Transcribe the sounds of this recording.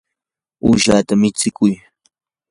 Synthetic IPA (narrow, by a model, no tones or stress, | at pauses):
uʃat̪amɪt͡sɪkʊj